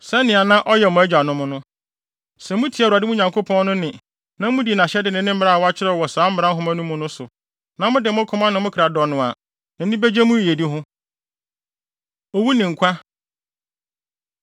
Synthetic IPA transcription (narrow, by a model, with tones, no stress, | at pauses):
sɛ˦nɪ̃˨a˨nã˦ʔɔ˦jɛ˨mʊ̃˨æ˦d͡ʑᶣa˨nʊ̃˦mʊ̃˦nʊ̃˦ | sɛ̃˨mʊ̃˦tʰi˨˦a˨a˨dɪ˦mũ˦ɲã˨ŋkʰo˦pʰɔ̃˦n˦nʊ̃˦nɪ̃˨ | nã˦mʊ̃˦di˨nã˨ɕɛ˦dɪ˨nɪ̃˨˦nɪ̃˦m̩˦ɾa˦˨wa˦t͡ɕʰɪ˦ɾɛ˦˨wɔ˨saː˨˦m̩˦ɾã˦ɦʊ̃˦mæ̃˦nũ˦mʊ̃˦nʊ̃˦sʊ˨ | nã˨mʊ̃˦dɪ˨mʊ̃˦kʰʊ̃˦mã˦nã˨mʊ̃˦kʰɾa˨dɔ˨nʊ̃˨a˨ | nã˨n˦nɪ̃˦be˦d͡ʑɛ˦mũ˦˨e˨di˦ɦʊ̃˦ | o˨wu˦nɪ̃˨ŋ̩˨kʷʰa˦